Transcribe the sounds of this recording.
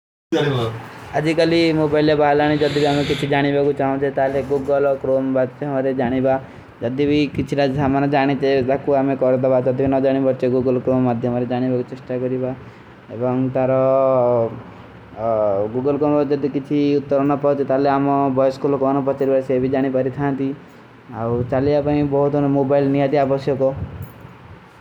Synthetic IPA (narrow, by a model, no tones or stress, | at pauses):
aiad͡ʒikalimobailjabaɦlaɽ̃id͡ʒɔd̪ibiamekit͡ʃʰid͡ʒaɽ̃ibakut͡ʃaɦũt͡ʃʰit̪aɦleɡuɡɔlkɾombaʈt͡ʃɔmɔɾed͡ʒaɽ̃iba | d͡ʒɔd̪ibikit͡ʃʰiɾad͡ʒsamanɔd͡ʒaɽ̃it͡ʃʰed̪akuamekɔɾɔd̪ɔbad͡ʒɔd̪ibinɔd͡ʒaɽ̃ibɔɾt͡ʃʰeɡuɡɔlkɾomːad̪ʱjɔmɔɾed͡ʒaɽ̃ibakut͡ʃesʈakɔɾiba | ebɔŋt̪aɾɔ | ɡuɡɔlkomɔd͡ʒɔd̪ikit͡ʃʰiut̪ːɔɾɔnɔpaɦut̪it̪aleamɔbɔjskulɔkɔnɔpɔt͡ʃaɾibaɾsebid͡ʒaɽ̃ipaɾit̪ʰãnt̪i | awt͡ʃaliapaĩbɔɦut̪nmobajlnijat̪iabɔsjɔkɔ